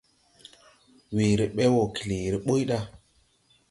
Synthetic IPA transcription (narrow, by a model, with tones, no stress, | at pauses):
wi˨ɾi˨ɓe˦wo˨ki˨li˨ɾi˨ɓo˦jɗa˦